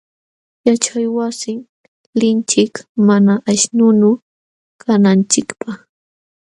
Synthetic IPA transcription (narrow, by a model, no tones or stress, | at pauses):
jat͡ʃajwasɪŋ | lɪnt͡ʃɪkmanaʔaʃnʊnʊ | kʰanant͡ʃɪkpaχ